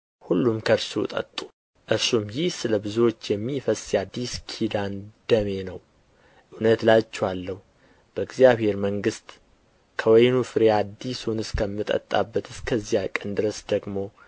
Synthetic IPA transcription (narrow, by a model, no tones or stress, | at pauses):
hulːumkʰəɾsṵt̪ʼə̰t̪ʼːu̥ | ʔɨɾsumjɪhsɨləbɨzuwo̞t͡ʃːjɛmːifəsjad̪ːiskʰid̪and̪̥əme̞nəw | ʔɨnət̪lat͡ʃːɛwalːəhu | b̥əɨɡzjaβhe̞ɾməŋɡɨst̪ | kʰəwɔjnufɨɾead̪ːisunɨskʰəmːɨt̪ʼə̰t̪ʼːa̰bːət̪ʰɨskʰəzːijakʼənd̪ɨɾəsd̪̥əɡmo̞